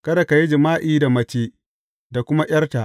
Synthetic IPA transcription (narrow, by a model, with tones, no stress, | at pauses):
kɐ˦da˨ka˨ji˦d͡ʒɪ˨maː˦ʔiː˦da˨mɐ˦t͡ʃeː˦ | da˨kʷʊ˦ma˦j̰ʲɐ˦rta˨ʔ